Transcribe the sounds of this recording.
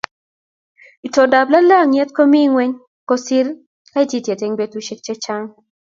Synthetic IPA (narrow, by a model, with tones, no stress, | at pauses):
i˨tɔ˨da˨bla˦la˦˨ŋɛ˦t̪̚kɔ˦mi˦ŋwɛ˦ɲ | kɔ˦si˦l | ka˦i˦tji˦˨tje˨te˨˦ŋbe˦tu˦ʃe˦k̚t͡ʃɛ˦t͡ʃa˦ŋ